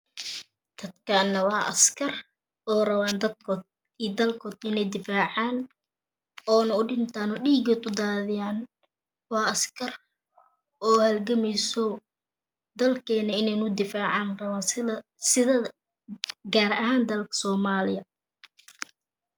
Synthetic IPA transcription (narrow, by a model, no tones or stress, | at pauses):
d̪̥ɐd̪kʰanːɐwɑːʔɐ̰skʰɐr | ʔɔːrɐβaːnd̪ɐd̪̚kʰɔːd̪̚ | iːd̪ɐlkʰɔːd̪ɪnɛjd̪ɪfaːʕaːn | ɔːnɐʊɖɪnt̪ʰaːnɔɖiːɡɔːd̪ʊd̪aːðɪjaːn | wɑːɐskʰɐr | ɔːhɐlɡɐmɛjsɔ | d̪ɐlkʰɛːnɐɪnɛjnʊd̪ɪfaːʕɑːnrɐβaːs | sɪðɐ | ɡaːɾɐɦaːnd̪ɐlkʰɐ̥sɔːmaːlɪjɐ